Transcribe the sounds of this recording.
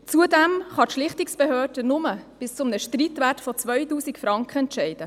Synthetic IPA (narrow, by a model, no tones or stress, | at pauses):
t͡suədɛmχɑtʃlɪχtɪksb̥ɛɦøːrd̥ənʊməb̥ɪst͡sʊmnəʃtriːtʋætfɔt͡svœʏtuːsikfɾɑŋkχəɛntʃɛɪd̥ə